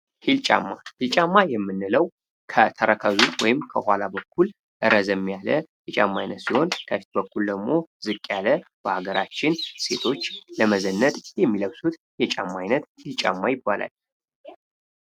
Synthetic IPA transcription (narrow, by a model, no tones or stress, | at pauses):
hilt͡ʃʼa̰mːahilt͡ʃʼamːajɛmːɨnːɨləw | kʰət̪ʰəɾəkʰəzuwɔjɪmkʰəhʷalabəkʰːul | ʔɨɾəzəmːijaləjɛt͡ʃʼamːajnət̪siho̞nkʰəfi̥t̪̚bəkʰːuld̪əɡmo̞zɨkʼːjaləb̥əhaɡəɾat͡ʃːɪnse̞̰t̪ʰo̞t͡ʃːləməzənːət̪jɛmːiləɡsut̪ | jɛt͡ʃʼamːajnət̪hɪlt͡ʃʼa̰mːajɪbːala̰l